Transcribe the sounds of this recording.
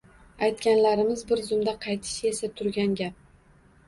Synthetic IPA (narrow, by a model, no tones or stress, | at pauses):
ajt̪kʲanlaɾɪmɪzbɪɾzʊmd̪aqʰɑjt̪ʰɪ̥ʃe̞sat̪ʰʊɾɡʲanɡʲap̚